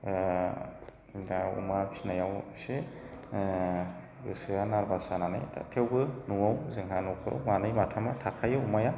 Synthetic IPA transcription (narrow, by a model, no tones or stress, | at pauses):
aṵmabisnajawse | ɡɯsɯjanaɾbasanana̰jtʰa̰tʰewɡɯnuawzɯŋɦanɔwkʰɯɾʔa̰wmanajmatʰamatʰakʰajɯumaja